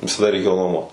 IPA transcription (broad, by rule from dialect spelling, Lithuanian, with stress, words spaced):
ʋʲɪsɐˈdɐ rʲɛɪˈkʲeːjoː nuɔˈmuɔt